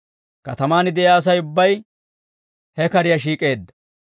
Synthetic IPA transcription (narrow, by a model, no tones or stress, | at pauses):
kɐt̪ɐmaːnɪd̪ɛjaːs̬ɐjʊbːɐj | hɛkɐɾɪjɐʃ̬iːkʼe̞ːd̪ːɐ̥